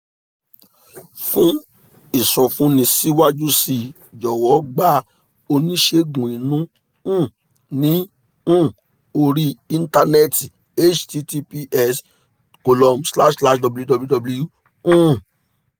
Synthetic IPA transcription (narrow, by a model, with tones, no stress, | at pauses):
fũ˦ | i˨sɔ̃˨fũ˦nĩ˧si˦wa˦d͡ʒu˦si˧ | d͡ʒɔ˨wɔ˨˦ɡ͡ba˦ | o˧nĩ˦ʃe˧ɡũ˨i˨nũ˦ | ũ˦˨ | nĩ˨˦ | ũ˦˨ | o˧ɾi˦i˧n̩˦ta˧nɛ˦ti˨ | e˦t͡ʃti˧ti˧pi˧ʔɛ˧s | ko˨lɔ˧msla˦ʃla˦ʃdɔ˧bu˨˦ju˦dɔ˧blu˦dɔ˧blu˧ju˦ | ũ˦˨